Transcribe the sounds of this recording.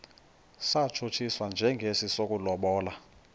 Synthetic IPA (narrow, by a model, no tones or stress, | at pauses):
sat͡ʃʰot͡ʃʰiswand͡ʒʱɛŋɡʱesisok̬ʼulɔɓɔːla